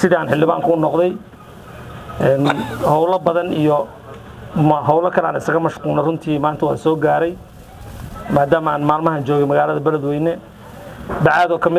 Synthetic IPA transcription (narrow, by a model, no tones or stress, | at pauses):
sɪðiaːnħɪlːɪβa̰ːŋkʰʊʊnɔqðɛj | ɛːnhɔwlɐbɐðɐnijɔ | mɦɔwlɐkʰɐlɛa̰ːnɪsɐɣɐmɐʃquːnɛrʊnt̪ʰiːmaːnt̪ʰɐwaːsɔːɡaːɾɛj | maːd̪aːmaːnmaːlmɐhaːnt͡ʃɔːɣɛmɐɣaːlɐðɐbɐlɐd̪wɛjnɛ | bɑʕaːðɔːkʰɐmɪ